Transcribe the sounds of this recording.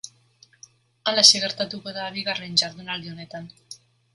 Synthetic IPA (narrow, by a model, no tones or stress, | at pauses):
alaeseɣ̞e̞ɾt̪at̪uko̞ðaβiɣare̞nd͡ʒaɾðunald̪io̞ne̞t̪an